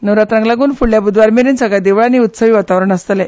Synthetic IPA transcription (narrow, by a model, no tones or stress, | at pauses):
nəʋɾat̪ɾãŋɡlaɡuːnfuɭljabud̪ʋaɾmeɾiːnsəɡɭad̪eʋɭaniːut̪səʋiːʋat̪aʋɾəɳəst̪lɛ